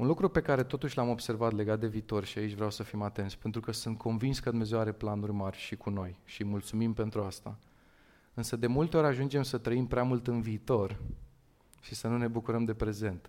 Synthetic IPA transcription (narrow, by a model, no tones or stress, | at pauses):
unlukɾupe̞kaɾe̞t̪o̞t̪uʃʲlamo̞bse̞rvat̪le̞ɡat̪̚d̪e̞viːt̪o̞rʲʃiait͡ʃʲvɾeawsəfimat̪ent̪sʲpe̞nt̪ɾukəsunt̪̚kʰo̞nvinskəd̪umezewaɾe̞planurʲmarʲʃikʰuno̞jʃimult̪sumimpe̞nt̪ɾuast̪a̰ | ɨnsəd̪e̞mult̪e̞o̞ɾʲaʒund͡ʒe̞msət̪ɾəimpɾeamult̪ɨnviːt̪o̞r | ʃisənune̞bukuɾəmd̪e̞pɾe̞ze̞nt̪